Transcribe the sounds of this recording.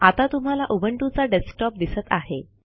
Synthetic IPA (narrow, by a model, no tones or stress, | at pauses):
at̪at̪um̤alaʔubəɳʈut͡saɖesʈɔp̚d̪isət̪aɦe